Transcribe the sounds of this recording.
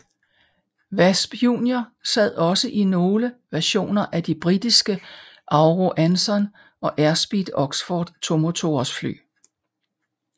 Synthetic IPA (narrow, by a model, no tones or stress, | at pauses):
ʋæsb̥jṵːnjosæð̰ˠɒ̽səʔino̝ːləʋæɐɕo̝̰ːnɐʔæd̥ib̥ʁid̥isɡ̥ə | ʔɑ̈ʊʁo̝ʔænsɒ̽n | ʔɒ̽ʔæɐsb̥id̥ɒ̽ɡ̥sfɒ̰ːd̥t͡sʰo̝mo̝t͡sʰo̝̰ɐsfly̰ː